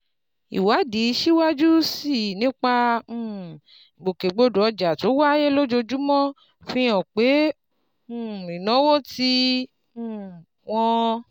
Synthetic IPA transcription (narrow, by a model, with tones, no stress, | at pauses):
ḭ˨wa˨˦di˨˦ʃi˦wa˦d͡ʒu˦si˦˨nĩ˨˦k͡pã˧˦˨ | ɡ͡bo˨ke˨ɡ͡bo˧do˨ɔ˧d͡ʒa˨to˨˦wa˦je˦lo˦d͡ʒo˧d͡ʒu˦mɔ̃˦ | fĩ˧˦jɔ̃˨k͡pẽ˨˦˨ | ĩ˨nɔ̃˨˦wo˦ti˧˦˨ | w̃ɔ̃˧